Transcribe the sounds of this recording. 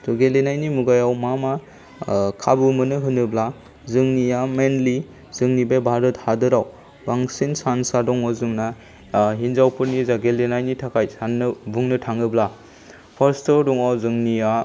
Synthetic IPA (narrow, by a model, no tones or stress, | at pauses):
tɔɡelenajnimuɡajawmama | kʰabɯmɯnɯɦɯnɯbla | zɯŋnijamenli | zɯŋnibebʱaɾɯt̚hadɯɾaw | baŋsinsansadɔŋawzɯŋna | ɦinzawpʰɯɾnizaɡelenajnitʰakʰajsanːɯbuŋnɯtʰaŋɯbla | pʰaɾstɔdɔŋawzɯŋnia